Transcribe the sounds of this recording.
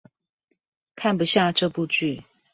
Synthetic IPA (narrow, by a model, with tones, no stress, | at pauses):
kʰa˥˩npu˨˩ɕja˥˧ʈ͡ʂɤ˥˧pu˥˧t͡ɕy˥˩